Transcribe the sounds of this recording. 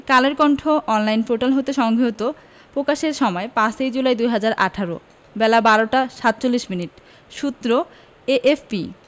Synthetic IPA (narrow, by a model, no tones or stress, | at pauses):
kaleɾkɔɳʈʰoʔɔnlajnfoʈalɦot̪eʃɔŋɡʱeɦot̪o | pɾokaʃeɾʃɔmɔepãsejd͡ʑulajd̪ujɦad͡ʑaɾʔaʈʰaɾo̰ | bɛlabaɾoʈaʃat̪̚ːt͡ɕolːiʃminiʈ | ʃut̪ːɾo | eʔefpi